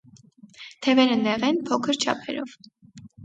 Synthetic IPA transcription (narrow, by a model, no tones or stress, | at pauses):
t̪ʰɛvɛɾənɛʁɛnpʰɔkʰəɾt͡ʃʰɑ̰pʰɛ̰ɾɔv